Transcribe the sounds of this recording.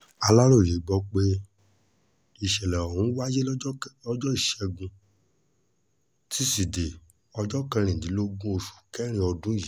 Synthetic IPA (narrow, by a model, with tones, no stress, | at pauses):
a˧la˦ɾo˦˨je˨˦ɡ͡bɔ˦k͡pe˦ | i˨ʃɛ˨lɛ˨ɔ˨hũ˨˦wa˦d͡ʒe˦ɔ˦d͡ʒɔ˦i˦˨ʃɛ˧ɡũ˧ | tʰi˦si˨de˨ | ɔ˧d͡ʒɔ˦kã˧ɾ̃ĩ˨ĩ˨˦lo˦ɡũ˦o˧ʃu̥˨kɛ˦ɾ̃ĩ˧ɔ˧dũ˦ji˨˦